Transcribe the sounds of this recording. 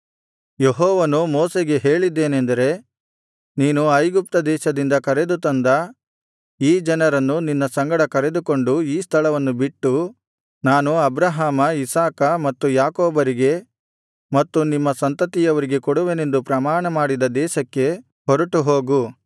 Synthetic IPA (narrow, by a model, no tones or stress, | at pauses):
jeɦɔːʋɐnumoːseɡe̞ɦeːɭid̪ːe̞ːnend̪ɐɾe̞ | niːnuɐjɡup̚t̪ɐd̪ɛːʃɐd̪ind̪ɐkɐɾe̞d̪ut̪ɐnd̪ɐ | iːd͡ʒɐnɐɾɐnːuninːɐsɐŋɡɐɽɐkɐɾe̞d̪uko̞ɳɖuiːst̪ʰɐlɐʋɐnːubiʈːu | naːnuɐbɾɐɦaːmɐisaːkɐmɐt̪ːujaːkoːbɐɾiɡe̞ | mɐt̪ːunimːɐsɐnt̪ɐt̪ijɐʋɐɾiɡe̞koɽuʋene̞nd̪upɾɐmaːɳɐmaːɽid̪ɐd̪ɛːʃɐkːe̞ | ɦɔɾɐʈuɦoːɡu